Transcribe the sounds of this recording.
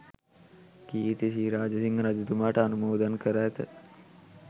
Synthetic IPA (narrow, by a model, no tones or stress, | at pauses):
kiːt̪eʃiːɾaːd͡ʒəsiŋɡɾad͡ʒut̪umaːʈəanumoːd̪ankəɾaːt̪ə